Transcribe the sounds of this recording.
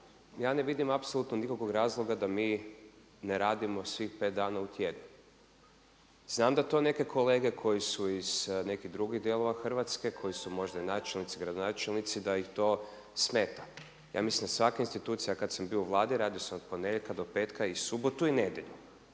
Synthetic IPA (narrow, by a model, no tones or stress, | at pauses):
jaːne̞ʋid̪imapsolut̪nonikokoɡɾaːzlˠo̞ɡad̪amiː | neɾaːd̪imo̞sʋixpe̞t̪̚d̪aːnaut̪jed̪nu | z̥naːmd̪at̪o̞ːne̞ke̞kʰo̞le̞ːɡe̞kʰo̞jisuiz̥ne̞kiɣd̪ɾuɡiɣd̪jelˠo̞ʋaxr̩ʋat̪ske̞kʰo̞jisumo̞ʒd̪ainaːt͡ʃelnit̪siɡɾad̪onaːt͡ʃelˠnit̪sid̪aixt̪o̞ː | sme̞ːt̪ḁ | ja̰ːmisimd̪asʋakainst̪it̪uːt̪sijakat̪sambiouʋlˠaːd̪iɾaːd̪iosamod̪̚poneʎekad̪o̞pe̞ːt̪kaisubot̪uined̪je̞ʎu